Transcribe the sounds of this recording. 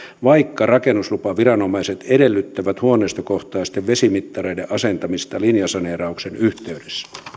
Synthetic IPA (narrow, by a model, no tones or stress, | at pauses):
ʋɑikːɑrɑkenːuslupɑʋirɑnomɑiset̪edelːyt̪ːæʋæt̪huonˑeist̪okoht̪ɑist̪eʋʋesimit̪ːɑreideʔɑsent̪ɑmist̪ɑlinjɑsɑneːrɑuksenyht̪eydesːæ